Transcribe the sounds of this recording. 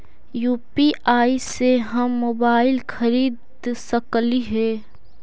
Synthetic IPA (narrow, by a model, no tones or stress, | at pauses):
juːpiʔaːiseɦɐmːoːbaːɪlxɐɾiːd̪ | sɐkliɦɛː